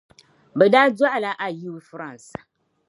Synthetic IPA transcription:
bɛ˨daː˦dwa˦ʔa˨la˦ʔa˦ji˦wfɾa˦˨n˨s

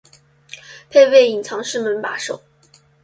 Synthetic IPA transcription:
pʰe˥˧ɪwe˥˩ɪi˨˩ŋt͡sʰɑ˧˥ŋʂɻ̩˥˩mə˧˥npa˧˥ʂo˨˩˦ʊ

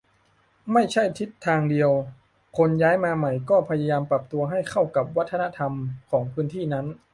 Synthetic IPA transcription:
ma˥˩jt͡ɕʰa˥˩jt̪ʰi˦˥t̪ʰːaː˧ŋdi˧əw | kʰo˧njaː˦˥jmaː˧ma˨˩jkɔː˥˩pʰa˧ja˧jaː˧mpɾa˨˩p̚t̪u˧ɐɦa˥˩jkʰa˥˩wka˨˩p̚wa˦˥t̪ʰːa˧na˦˥t̪ʰa˧mkʰɔː˩˦ŋpʰɯː˦˥nt̪ʰiː˥˩na˦˥n

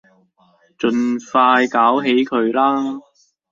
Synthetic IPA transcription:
t͡ʃɵ˧nfaː˧jkaː˨˥wɦe˨˥jkʰɵ˨˧ɥlaː˥

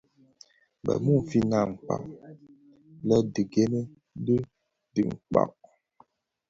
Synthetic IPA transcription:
bɛ̰˨mu˦˨m̩˨fi˦na˨ŋ̩˨k͡pa̰˨ʔ | lɔ˦di˨ɡe˦ne˦ | di˦ | di˨ŋ̩˨k͡pa̰˨ʔ

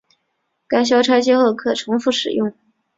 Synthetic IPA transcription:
ka˥ɪɕ̬jɑ˥ʊʈ͡ʂʰa˥ɪt͡ɕɛ˥xo˥˩ʊkʰɤ˨˩ʈ͡ʂʰʊ˧˥ŋfu˥˩ʂɻ̩˨˩jʊ˥˩ŋ

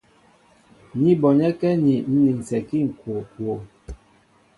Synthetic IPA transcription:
ɲi˦bɔ˨ɲɛ˦kɛ˦ni˨n̩˦ni˨n̩˨sɛ˨ki˦ŋ̩˨kwo˨kwo˨

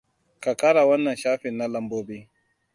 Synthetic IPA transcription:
ka˨ka˦ɽa˨wɐ˦nːɐ˨nʃaː˦ɸɪ˨nːa˦lɐ˦mboː˦biː˦

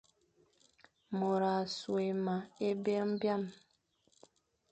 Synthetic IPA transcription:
mo˨ɾa˨swe˨ma˨e˦be˦m̩˦bja˦˨m

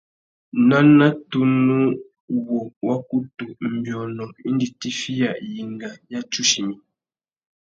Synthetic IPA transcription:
na˦na˦tu˦nu˦ | wɔ˨wa˦ku˦tu˨m̩˨bjɔ˨nɔ˨k̚i˦n˦di˨ti˦fi˦ja˨ʔji˨ŋɡa˨ja˦t͡ʃu˦ʃi˨mi˨

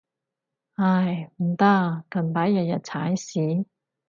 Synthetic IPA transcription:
ha˧˩jm̩˨˩t̪a˥kɐ˨˩npaː˨˥jjɐ˨˩t̚jɐ˨t̚t͡sʰaː˨˥jsiː˨˥

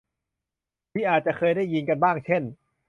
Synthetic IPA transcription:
miː˥˩ʔaː˨˩t̪̚t͡ɕa˨˩kʰɤː˧jdaː˥˩jːi˧nka˧nbaː˥˩ŋt͡ɕʰe˥˩n

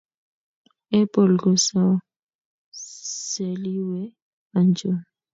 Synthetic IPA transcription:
ɛ˦pʼo˨lɡɔ˨sa˨ | se˨li˦wɛ˦ | a˨nd͡ʒʱo˦n

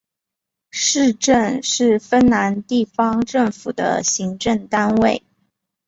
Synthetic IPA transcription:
ʂɻ̩˥˧ʈ͡ʂə˥˧nʂɻ̩˥˩fə˥nna˧˥nt̪i˥˩fɑ˥ŋʈ͡ʂɤ˥˩ŋfu˨˩d̪ə̰˦ɕi˧˥ŋʈ͡ʂə˥˩ŋt̪a˥nwe˥˩ɪ

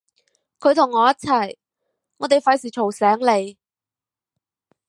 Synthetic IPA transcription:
kʰɵ˨˧ɥt̪ʰʊ˨˩ŋːɔː˨˧jɐ˥t͡sʰɐ˨˩j | ŋɔː˨˧t̪e˨jfaː˨˥jsiː˨˩t͡ʃʰo˨˩wsɛː˨˥ŋle˨˧j

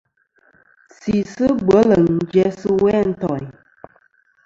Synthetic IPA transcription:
si˨sɨ˦bwə˨˦lə˨ŋ̩˦d͡ʒɛ˦sɨ˦wɛ˦˨n̩˨˦tɔ˨

